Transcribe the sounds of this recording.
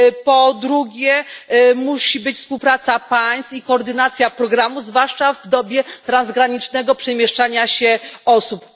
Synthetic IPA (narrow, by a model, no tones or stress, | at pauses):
pɔd̪ɾuɡʲɛmuɕibɘt͡ɕfspuwpɾat̪sapaj̃st̪ikɔːɾd̪ɘnat̪sʲjapɾɔɡɾamuzvwaʂt͡ʂavd̪ɔbʲjɛt̪ɾanzɡɾaɲit͡ʂnɛɡɔpʂɛmʲjɛʂt͡ʂaɲaɕɛɔsup